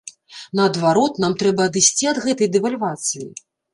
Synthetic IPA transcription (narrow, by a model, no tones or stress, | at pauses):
nɐːd̪vaɾɔt̪namt̪ɾɛbɐːd̪ɨsʲt͡sʲiɐd̪ɣɛt̪ɐjd̪ɛvalʲvat̪sɨji